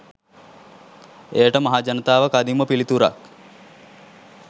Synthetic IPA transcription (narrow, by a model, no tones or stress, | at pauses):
ejəʈəmaɦaːd͡ʒɐnət̪aːʋəkad̪iməpilit̪uɾa̰k